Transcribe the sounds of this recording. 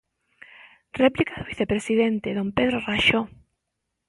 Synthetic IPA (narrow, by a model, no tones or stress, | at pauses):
replikaðoβiθepɾesiðent̪eðompeðɾoraʃo